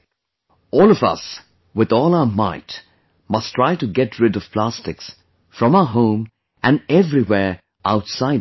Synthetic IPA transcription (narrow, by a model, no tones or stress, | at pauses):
ɔlˠʌvʌ̰s | wɨðɔːlˠaʊəmaɪt | mʌstʰɹ̥aɪtɨɡɛtʰɹɪdʌv̥pʰl̥æstɨks | fɹʌ̃maʊəɦõʊ̃m | ʔɨ̃nɛvɹiwɛɹ | ʔaʊtsaɪd